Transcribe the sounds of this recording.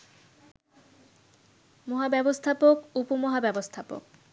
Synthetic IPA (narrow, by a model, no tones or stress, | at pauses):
moɦabɛbost̪ʰapokupomoɦabɛbost̪ʰapo̰k̚